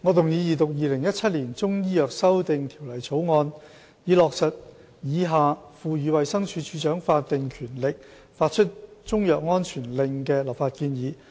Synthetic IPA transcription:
ŋɔ˨˧t̪ʊ˨ŋjiː˨˧jiː˨t̪ʊ˨k̚jiː˨lɪ˨˩ŋjɐ˥t̚t͡sʰɐ˥t̚liː˨˩nt͡sʊ˥ŋjiː˥jœː˨k̚sɐ˥wt̪ɪ˨ŋt̪ʰiː˨˩wlɐ˨˩jt͡sʰo˨˥wŋɔː˧n | jiː˨˧lɔː˨k̚sɐ˨t̚ | jiː˨˧ɦaː˨fuː˨jyː˨˧wɐ˨jsɐ˥ŋt͡ʃʰyː˨˧˥t͡ʃʰyː˨˥t͡ʃœː˨˥ŋfaː˧t̚t̪ːɪ˨ŋkʰyː˨˩nlɪ˨k̚ | faː˧t̚t͡ʃʰɵ˥t̚t͡sʊ˥ŋjœː˨k̚ŋɔː˥nt͡ʃʰyː˨˩nlɪ˧ŋkɛː˧lɐ˨p̚faː˧t̚kiː˧njiː˨˧

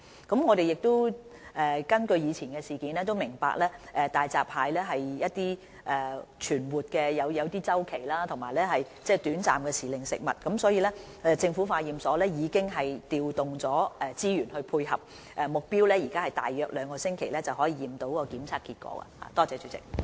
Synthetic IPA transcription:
kɐ˨˥mŋɔː˨˧ɾe˨jɪ˨k̚t̪o˥wʔɛː˨kɐ˥nkɵ˧ɥjiː˨˧t͡sʰiː˨˩nkɛː˧siː˨˩kiː˨˥nɛː˥t̪̬o˥wmɪ˨˩ŋpa̰ː˨˧k̚lɛː˥ʔɛː˨t̪aː˨jt͡saː˨p̚ʰhaː˨˧jlɛː˥ɦɐ˨jjɐ˥t̚t̪iː˥ | ʔɛ˨t͡ʃʰyː˨˩nwuː˨t̚kɛː˧jɐ˨˧wjɐ˨˧wt̪iː˥t͡sɐ˥wkʰe˨˩jlaː˥t̪ʰʊ˨˩ŋmaː˨˩jlɛː˥ɦɐ˨j | t͡sɛː˥t̪yː˨˥nt͡sa̰ː˨mkɛː˧siː˨lɪ˨ŋsɪ̰˨k̚mɐ̰˨t̚kɐ˨˥msɔː˨˥jiː˨˧lɛː˥ | ɛ˨˧t͡sɪ˧ŋfuː˨˥faː˧jiː˨msɔː˨˥lɛː˥jiː˨˧kɪ˥ŋɦɐ˨jt̪iː˨wt̪ʊ˨ŋt͡sɔː˨˥ʔɛː˨˧t͡siː˥jyː˨˩nhɵ˧ɥpʰuː˧jhɐ̰˨p̚ | ʔɛ˨˧mʊ˨k̚piː˥wlɛː˥jiː˨˩kaː˥hɐ˨jt̪a̰ː˨jːœː˧k̚lœː˨˧ŋkɔː˧sɪ˥ŋkʰe˨˩jlɛː˥t͡sɐ˨whɔː˨˥jiː˧jiː˨mt̪o˨˥wkɔː˧kiː˨˥mt͡sʰaː˨˧k̚iː˧t̚kʷɔ̰ː˨˥a̰˧ha̰ː˧t̪ɔː˥t͡sɛː˨˧t͡ʃyː˨˥t͡sɪ̰˨k̚

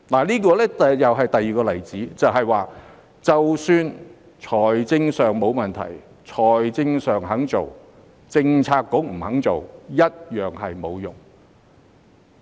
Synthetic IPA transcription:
laː˨˩liː˥kɔː˧lɛ˥˨jɐ˨wɦɐ˨jt̪ɐ˨jːiː˨kɔː˧lɐ˨˩jt͡siː˨˥t͡sɐ˨wɦɐ˨jwaː˨˧ | t͡sɐ˨wsyː˧n | t͡ʃʰɔː˨˩jt͡sɪ˧ŋsœː˨˩ŋmo˨˧wmɐ˨˩nt̪ʰɐ̰˨˩j | t͡ʃʰɔː˨˩jt͡sɪ˧ŋsœː˨˩ŋɦɐ˨˥ŋt͡so˨w | t͡sɪ˧ŋt͡sʰaː˧kːʊ˨˥m̩˨˩hɐ˨˥ŋt͡so˨wjɐ˥t̚jœː˨ŋɦɐ˨jmo˨˧wjʊ̰˨˩ŋ

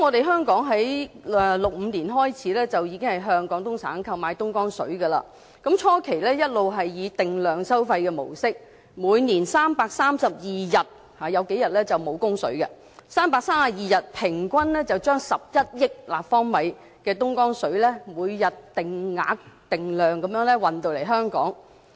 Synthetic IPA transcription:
mŋɔː˨˧t̪e˨jɦœː˥ŋkɔː˨˥ŋɦɐ˨˥jɛ˨lʊ˨k̚m̩ː˨˧niː˨˩nɦɔː˥jt͡sʰiː˨˥lɛː˥t͡sɐ˨wjiː˨˧kɪ˥ŋhɐ˨˩jɦœː˧˥ŋkɔː˨˥ŋt̪ʊ˥ŋt͡sʰa̰ː˨˥nkʰɐ˧wmaː˨˧jt̪ʊ˥ŋkɔː˥ŋsɵ̰˨˥ɥɡɐ˧la̰ː˧ | kɐ˨˥mt͡ʃʰɔː˥kʰe˨˩jlɛː˥jɐ˥t̚lo˨wɦɐ˨jːiː˨˧t̪ɪ˨ŋlœː˨˧ŋsɐ˥wfɐ˧jkɛː˧mo̰˨˩wsɪ˥k̚ | muː˨˧jniː˨˩nsaː˥mpaː˧k̚saː˥msɐ˨p̚jiː˨jɐ˨˩t̚ | haː˨jɐ˨˧wke˨˥jɐ˨t̚lɛː˥t͡sɐ˨wmo˨˧wkʊ˥ŋsɵ̰˨˥ɥkɐ̰˧ | saː˥mpaː˧k̚saː˥msɐ˨p̚jiː˨jɐ˨t̚pʰɪ˨˩ŋkʷɐ˥nlɛː˥t͡sɐ˨wt͡ʃœː˥ŋsɐ˨p̚jɐ˥t̚jɪ˥k̚laː˨p̚fɔː˥ŋmɐ˨˥j | kɛː˧t̪̬ʊ˥ŋkɔː˥ŋsɵ˨˥ɥlɛː˥muː˨˧jːɐ˨tt̪ɪ˨ŋːa̰ː˨˧˥k̚t̪ɪ˨ŋlœː˨˩ŋkɐ˨˥mjœː˨˥ŋlɛ˥wɐ˨nt̪o˨wle˨˩ɦœː˥ŋkɔ̰ː˨˥ŋ

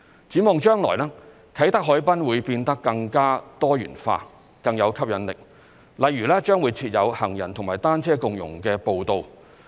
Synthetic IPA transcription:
t͡siː˨˥mɔː˨˧ŋt͡ʃœː˥ŋlɔ̰ː˨˩jlaː˥ | kʰɐ˨˥jt̪ɐ˥k̚ɦɔː˨˥jpɐ˥nwuː˨˧jpiː˧nt̪ɐ˥kːɐ˧ŋkaː˥t̪ɔː˥jy̰ː˨˩nfa̰ː˧ | kɐ˧ŋjɐ˨˧wkʰɐ˥p̚jɐ˨˧nlɪ˨k̚ | lɐ˨jɥyː˨˩lɛː˥t͡ʃœː˥ŋwu˨˧jt͡sʰiː˧t̚jɐ˨˧whɐ˨˩ŋjɐ̰˨˩nt̪ʰʊ˨˩ŋmaː˨˩jt̪aː˥nt͡sʰɛː˥kʊ˨˧ŋjʊ̰˨˩ŋkɛː˧po˧wt̪o˧w

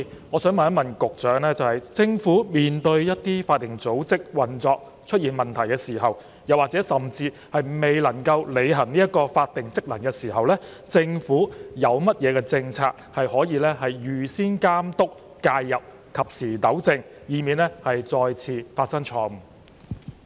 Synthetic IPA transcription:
ŋɔː˨˧sœː˨˥ŋmɐ˨nɐ˥mɐ˨˩nkʊ˨k̚t͡ʃœː˨˥ŋlɛː˥t͡sɐ˨whɐ˨jt͡sɪ˧ŋfuː˨˥miː˨nt̪ɵ˧ɥjɐ˥t̚t̪iː˥faː˧t̚t̪ːɪ˨˩ŋt͡so˨˥wt͡sɪ˥k̚wɐ˨˩nt͡sɔː˧k̚ | t͡ʃʰɵ˥t̚jiː˨nmɐ˨nt̪ʰɐ˨˩jkɛː˧siː˨˩ɦɐ˨w | jɐ˨˩waː˨˩t͡sɛː˨˥sɐ˨mt͡siː˧ | hɐ˨jme˨˩jlɐ˨˩ŋkɐ˧wle˨˧jɦɐ˨˩ŋniː˥jɐ˥t̚kɔː˧faː˧t̚t̪ɪ˨ŋt͡sɪ˥k̚lɐ˨˩nkɛ˧siː˨˩hɐ˨wlɛː˥t͡sɪ˧ŋfuː˨˥jɐ˨˧wmɐ˥t̚jɛː˨˧kɛ˧t͡sɪ˧ŋt͡sʰaː˧k̚hɐ˨jhɔː˨˥jiː˨˧lɛː˥hɐ˨jjyː˨˩siː˥nkaː˥mt̪ʊ˥k | kaː˧jːɐ˨p̚ | kʰɐ˨p̚siː˨˩t̪ɐ˨˥wt͡sɪ˧ŋjiː˨˧miː˨˧nɛ˥hɐ˨jt͡sɔː˧jt͡sʰiː˧faː˧t̚sɐ˥ŋt͡ʃʰɔː˧˨

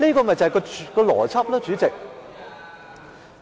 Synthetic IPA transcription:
liː˥kɔː˧mɐ˨˩t͡sɐ˨˩kɔ˧kɔː˧lɔ̰ː˨˩t͡sʰɐ˥p̚lɐ˥t͡ʃyː˨˥t͡sɪ˨k̚

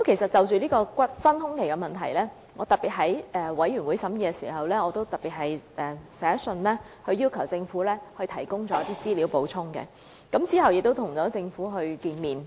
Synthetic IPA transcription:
ɐ˥mkʰe˨˩jsɐ˨t̚t͡sɐ˨wt͡ʃyː˨liː˥kɔː˧kʷɐ˥t̚t͡sɐ˥nhʊ˥ŋkʰe˨˩jkɛ˧mɐ˨nt̪ʰɐ˨˩jlɛː˥ | ŋʔɔː˨˧t̪ɐ˨k̚piː˨t̚ɦɐ˨˥jʔɛː˨wɐ˨˥jɥyː˨˩nwuː˨˥jsɐ˨˥mjiː˧kɛ˧sḭː˨˩hɐ˨wlɛː˥ŋɔː˨˧t̪o˥wt̪ɐ˨k̚pi˨t̚hɐ˨jʔɛː˨˩sɛː˨˥sɵ˧nlɛː˥ | hɵ˧ɥjiː˥wkʰɐ˨˩wt͡sɪ˧ŋfuː˨˥lɛː˥hɵ˧jt̪ʰɐ˨˩jkʊ˥ŋt͡ʃɔː˨˦jɐ˥t̪iː˥t͡siː˥liː˨˥wpo˨˥wt͡sʰʊ˥ŋkɛ̰˧ | kɐ˨˥mt͡siː˥hɐ˨wjɪ˨k̚t̪o˥wt̪ʰʊ˨˩ŋt͡sɔː˨˥t͡sɪ˧ŋfuː˨˥ɦɵ˧ɥkiː˧nmiː˨˩n

